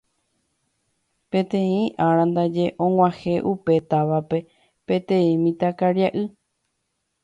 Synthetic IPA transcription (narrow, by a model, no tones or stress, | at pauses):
pẽ̞t̪ẽĩʔaɾãnd̪ad͡ʒeʔõ̞ŋwʷãhe̞ʔupe̞t̪aʋape̞ | pẽ̞t̪ẽĩmĩt̪akaɾjaʔɨ